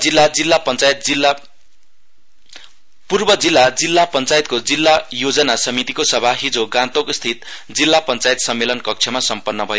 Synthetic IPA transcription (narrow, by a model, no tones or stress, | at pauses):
ilːad͡zilːapʌnt͡sajt̪̚i | purbʌd͡zilːad͡zilːapʌnt͡sajt̪̚kod͡zilːajod͡zʌnasʌmit̪ikosʌbʱaɦid͡zoɡãt̪okst̪ʰit̪̚ | d͡zilːapʌnt͡sajt̪sʌmːelʌnkʌk̚t͡sʰʌmasʌmpʌnːʌbʱʌje